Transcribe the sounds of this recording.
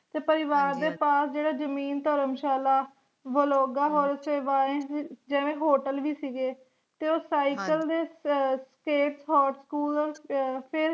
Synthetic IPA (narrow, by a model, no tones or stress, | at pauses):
t̪eːpəɾɪʋaːɾd̪eːpaːsd͡ʒeːɽaːd͡ʒəmiːnt̪əɾəmʃaːlaː | ʋəloːɡaːɦoːɾseːʋaːẽːd͡ʒɛːʋẽːɦoːʈəlʋiːsiɡeː | t̪eːoːsaːikəld̪eːskeːʈsɦɔːʈskuːlpʰɪɾ